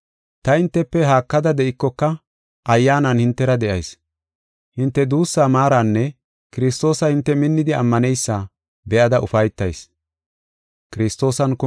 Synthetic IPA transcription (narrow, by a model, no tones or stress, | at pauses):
t̪ɐhɪnt̪ːɛpːɛɦaːkːɐd̪ɐd̪ɛʔɪkːɔkːɐ | ʔɐjːaːnɐnhɪnt̪ːɛɾɐd̪ɛʔɐ̰js | hɪnt̪ːɛd̪uːsːaːmaːɾanːɛ | kɪɾɪs̬t̪o̞ːsɐhɪnt̪ːɛmɪnːɪd̪ɪɐ̰mːɐnɛjsːa | bɛʔɐd̪ɐʔʊfɐjt̪ːɐjs | kɪɾɪst̪ːo̞ːsɐnkɔ